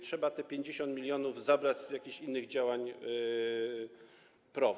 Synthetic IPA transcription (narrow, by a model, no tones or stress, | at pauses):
tʂɛbat̪ɛpʲjeɲd͡ʑeɕɔnt̪̚mʲilʲjɔnuvzabɾad͡ʑz̥jakʲiɕinːɘɣd͡ʑawaɲ | pɾɔ